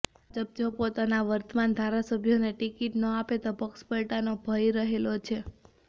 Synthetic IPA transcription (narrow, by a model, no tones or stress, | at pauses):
d͡ʒəb̚d͡ʒopot̪anaʋəɾt̪əmand̪ʱaɾasəbʱjoneʈikiʈnəapet̪opəkspəɭʈanobʱəjɾəɦelot͡ʃʰe